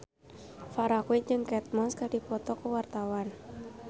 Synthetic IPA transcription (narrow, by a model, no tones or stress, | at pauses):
faɾakuwɪd͡ʒɨŋkɛt̪̚mɔskaɖ̥ipɔt̪ɔkəwart̪awan